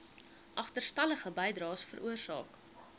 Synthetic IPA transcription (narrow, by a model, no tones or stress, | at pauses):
ʔɐχtərstɐləχəbɛjdrɑːsfə̰ɾʔuərsɑ̰ːk